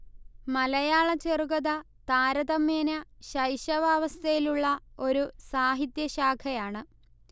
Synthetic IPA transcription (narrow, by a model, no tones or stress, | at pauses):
mɐlɐjaːɭɐt͡ɕerukɐðɐ | t̪aːɾɐðɐmeːnɐɕɐjɕɐʋaːʋɐst̪ʰɐjiluɭːɐo̞ɾusaːɦit̪jɐɕaːkʰɐjaːɳɨ